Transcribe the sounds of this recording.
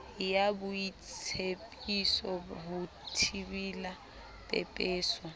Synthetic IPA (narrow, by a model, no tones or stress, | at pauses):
jabʊit͡sʰepʼisɔɦu | tʰibila | pʼɛ̰pʼɛːsɔ